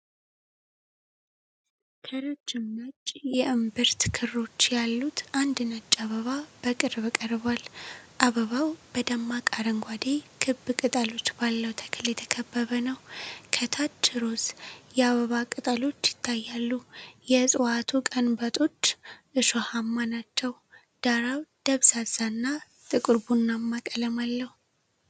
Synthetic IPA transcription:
kʰəɾot͡ʃːɪmːət͡ʃʼjɛʔɨmbɨɾt̪kʰɨrːo̞t͡ʃːjalːut̪ʰʔand̪ɨnət͡ʃʼːaβəβab̥əkʼɨɾbɨkʼəɾbalʔaβəβawbəd̪əmːakʼaɾəŋɡʷad̪ekʰɨbkʼɨt̪ʼəlo̞t͡ʃːbalːəwt̪ʰə̥kʰɨljɛt̪ʰə̥kʰəbːəβənəwkʰət̪ʰat͡ʃːɨɾo̞sjɛaβəβakʼɨt̪ʼalo̞t͡ʃːjɪt̪ʰːajːalːujɛsʼɨwat̪ʰukʼənbət̪ʼo̞t͡ʃːʔɨʃohamːanat͡ʃːɛw | d̪̥aɾawd̪̥əβsazanːa | t̪ʼɨkʼɨɾbunːamːakʼələmalːəhu

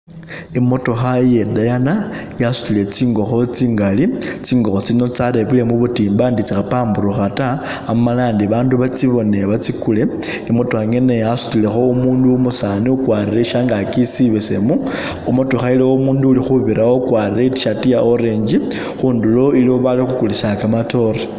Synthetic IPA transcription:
imo̞to̞xaje̞dajanajasu̥tile̞t͡siːŋɡo̞xo̞t͡siːŋɡalit͡siːŋɡo̞xo̞t͡sino̞t͡saɾeβile̞muβutiːmbandit͡sixapaːmbuɾuxataː | malaːndiβaːnduβat͡siβo̞ne̞βat͡sikule̞ | imutuxaŋe̞ne̞jasu̥tile̞xo̞umuːnduumusaniukwaːrireʃaŋɡakisiβesemu | umutuxailewoumuːnduːlixuβiɾawokwarireti̥ʃatijaʔoɾe̞ɲd͡ʒi | xuːndulo̞ilioβalixukuliʃakamato̞ɾe

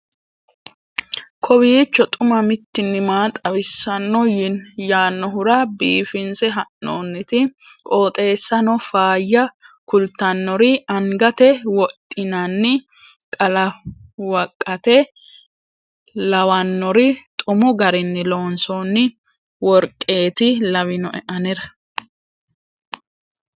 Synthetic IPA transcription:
kʰɔbiːt͡ʃːɔt̪ʼʊmɐmɪt̪ːɪnːɪmaːt̪ʼɐwɪsːɐnːɔjɪnjaːnːɔɦʊɾɐbiːfɪnsɛɦɐnːoːnːɪt̪ɪ | kʼoːt̪ʼe̞ːsːɐnɔfaːjːɐkʊlt̪ːɐnːɔɾɪɐŋɡɐt̪ɛwɔt̪ʼːɪnɐnːɪ | kʼɐlɐwɐkʼːɐt̪ɛ | lɐwɐnːɔɾɪt̪ʼʊmɔɡɐɾɪnːɪloːnsonːɪ | wɔɾkʼːe̞ːt̪ɪlɐwɪnɔʔɛʔɐnɛɾɐ

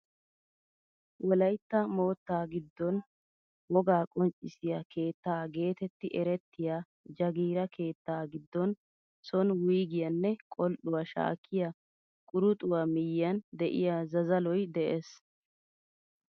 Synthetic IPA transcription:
wʔɔlɐjt̪ːɐmo̞ːt̪ːaːɡɪd̪ːɔn | wɔɡaːkʼɔnt͡ʃʼːɪsɪjɐkʰe̞ːt̪ːaːɡe̞ːt̪ɛt̪ːɪʔɛɾɛt̪ːɪjaː | d͡ʒɐɡiːɾɐkʰe̞ːt̪ːaːɡɪd̪ːɔn | sɔnwiːɡɪjɐnːɛkʼɔlɗʊwɐʃa̰ːkʰːɪja | kʼʊɾʊt̪ʼʊwamɪjːɐnd̪ɛʔɪ̰jazɐzɐlɔjd̪ɛʔeːs

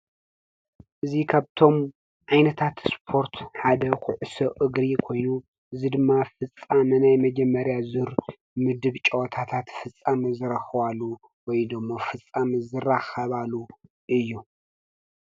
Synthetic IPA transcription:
ʔɨzikʰaβt̪ʰo̞m | ʕajnɐt̪ʰat̪spʰo̞ɾt̪ħad̪ɐkʰʊʕɨsoʔɨɡɾikʰo̞jnu | ʔɨzid̪ɨmːafɨt͡sʼːamɨnajmɐd͡ʒɐmːɐɾjazuɾ | mɨd̪ɨβt͡ʃʼɐwɐt̪ʰat̪ʰat̪fɨt͡sʼːamɐzɨɾɐxɨbalːu | wɔjd̪ɨmːofɨt͡sʼːamɨzɨraxɐβalu | ʔɨjːu

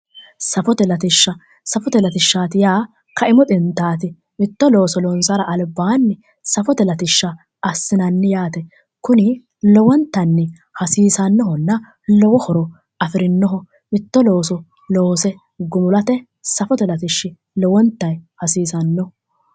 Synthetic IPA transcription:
sɐfɔt̪ɛlɐt̪ɪʃːɐ | sɐfɔt̪ɛlɐt̪ɪʃːaːt̪ɪjaː | kɐʔɪmɔt̪ʼɪnt̪aːt̪ɪ | mɪt̪ːɔloːsɔlɔnsɐɾɐʔɐlbaːnːɪ | sɐfɔt̪ɛlɐt̪ɪʃːɐ | ɐsːɪnɐnːɪjaːt̪ɛ | kʊnɪ | lɔwɔnt̪ːɐnːɪ | hɐsiːsɐnːɔɦɔnːɐ | lɔwɔhɔɾɔ | ɐfɪɾɪnːɔɦɔ | mɪt̪ːɔloːsɔ | loːsɛ | ɡʊmʊlɐt̪ɛ | sɐfɔt̪ɛlɐt̪ɪʃːɪ | lɔwɔnt̪ːɐjhɐsiːsɐnːɔ

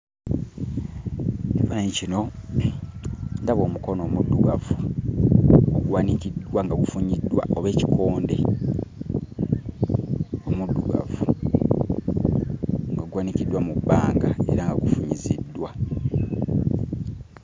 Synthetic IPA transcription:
nevaneɲcino̞ | ndaβo̞ːmuko̞no̞ːmudːuɡavu | oɡwaːnicidwaŋɡaɡufuɲidːwa̰ʔoβe̞ːci̥kʰo̞ːnde̞ | omudːuɡa̰vu | ŋɡaɡwaːnicidwamubːaːŋɡae̞̰ɾaŋɡaɡufuɲizidːwa

